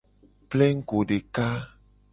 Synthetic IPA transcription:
plɛ˦ŋ̩˦ko˨ɖe˨ka˦

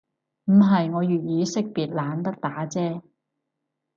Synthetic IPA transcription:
m̩˨˩ɦɐ˨jŋɔː˨˧jyː˨t̚jiː˨˧˥sɪ˥k̚piː˨t̚laː˨˥nt̪ɐ˥k̚t̪aː˨˥t͡sɛː˥

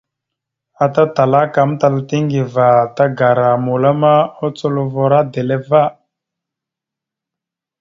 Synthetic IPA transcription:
a˨ta˦ta˨la˦ka˨˦m˦ta˨la˨ti˦ŋɡi˨va˨ta˦ɡa˨ɾa˨mu˨la˦ma˦o˦t͡so˦˨lo˨vo˨ɾa˦d̪e˨le˦va˦˨

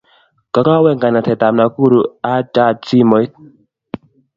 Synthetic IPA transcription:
ka˨˦ka˦wɛ˦˨ŋɡa˨na˨t̪ʰɛ˨t̪a˨mna˨ku˦ɾu˨a˦t͡ʃa˦˨si˦mɔ˨˦jt̚

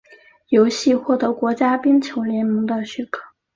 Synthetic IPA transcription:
jo˧˥ʊɕi˥˧xwɔ˥˩t̪ɤ˧˥kwɔ˧˥t͡ɕja˥pi˥ŋt͡ɕʰjo˧˥ʊljɛ˧˥nmɤ˧˥ŋd̪ə˧ɕy˥˩kʰɤ̥˥˩

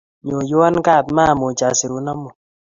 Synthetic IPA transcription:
ɲo˨jwa˦nka˦˨tma˦˨mo˨t͡ʃa˨si˨ɾu˨na˦mo˨

